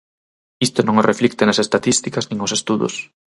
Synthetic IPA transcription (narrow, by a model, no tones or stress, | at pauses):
ist̪ʊnõŋorʔeflikt̪ɪnɐsest̪at̪ist̪ikɐznĩŋosest̪uðʊ̰s